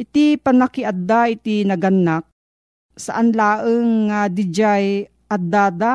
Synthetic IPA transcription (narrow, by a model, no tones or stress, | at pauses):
ʔɪt̪ipɐnakɪʔad̪ːaʔɪt̪inɐɡanːak̚ | saʔanlaːʔəŋːad̪ɪd͡ʒaj | ʔad̪aːd̪a